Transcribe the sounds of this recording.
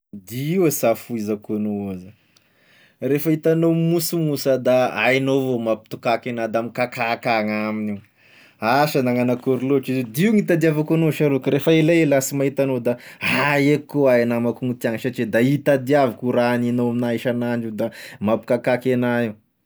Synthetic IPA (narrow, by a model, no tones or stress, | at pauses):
d̪iiasafuizakonoaza | refəit̪anomusumusəd̪aajnovomapi̥t̪u̥kakenad̪amikakakaŋamini | aʃanaŋanakuɾiloaʈ͡ʂized̪iiuŋit̪ad̪iavakonoʃaɾokəɾefaelelasimaɦit̪anod̪aɦajekːoajanamakuŋt̪iaŋʃaʈ͡ʂed̪ait̪ad̪iavakuɾaninoaminaiʃanaɳɖ͡ʐid̪amapi̥kakakenaiw